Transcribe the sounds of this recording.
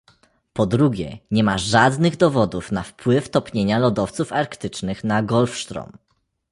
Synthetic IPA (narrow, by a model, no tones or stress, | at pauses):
pɔd̪ɾuɡʲjɛ̰ɲɛmaʐad̪nɘɣd̪ɔvɔd̪ufnafpwɘft̪ɔpɲeɲalɔd̪ɔft̪sufaɾkt̪ɘt͡ʂnɘxnaɡɔlfʂt̪ɾɔ̰m